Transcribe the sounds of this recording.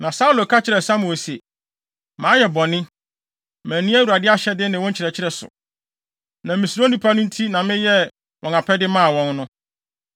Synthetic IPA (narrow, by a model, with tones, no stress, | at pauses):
nã˨sa˦u˦lo˨kʰa˦t͡ɕʰɪ˦ɾɛ˨sa˦mʊ̃˨o˨se˨ | mãː˨˦jɛ˨bɔ˨nɪ̃˦ | mæ̃˨nĩ˦æ˦wu˨ɾa˨dɪ˦a˦ɕɛ˦dɪ˦nɪ̃˨wɔ̃˦ɲ˦t͡ɕʰɪ˨ɾɛ˨t͡ɕʰɪ˦ɾɛ˨sʊ̰˨ | nã˨mɪ̃˨sõ˦nĩ˨pʰa˦nʊ̃˦n̩˦tʰi˦nã˨mɪ̃˦jɛ˦ | wʔɔ̃˨ŋa˨pʰɛ˦dɪ˦mã˦˨wɔ̃˦nnʊ̃˦